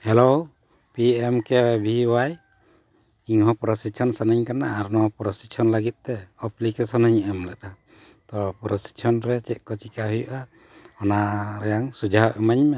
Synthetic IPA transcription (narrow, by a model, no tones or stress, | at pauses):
hɛlow | piɛmkɛɛbʱiwaj | kiŋɦɔpɾɔsitt͡ʃʰɔnsanaɲkanaːɾnɔɦɔpɾɔsit͡ʃʰɔnlaɡit̪̚ˀt̪ɛɔplikɛsɔnaɲɛmlɛɗa | t̪ɔpɾɔsi̥tt͡ʃʰɔnɾɛt͡ʃɛt̪̚ˀkɔt͡ʃikaɦujuʔa | ɔnaɾɛjaŋsud͡ʒʱaʔɛmaɲmɛ